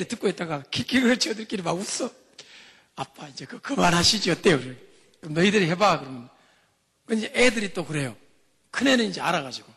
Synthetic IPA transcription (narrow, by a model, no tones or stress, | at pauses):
ɾitɯk̚k͈oet͈̚aɡakʰek͈ʰiɡɯɾɯt͡ɕʰiʌdɯɾk͈iɾimaɡus͈ʌ | ap͈aind͡ʑekɯkɯmanɦaɕʰid͡ʑiʌt͈ejokɯɾʌ | kɯɾʌmnʌidɯɾiɦebakɯɾʌmjʌn | kɯnd͡ʑeʔedɯɾit͈okɯɾe̞jo | kʰɯne̞nɯnind͡ʑe̞aɾaɣad͡ʑiɡ̥o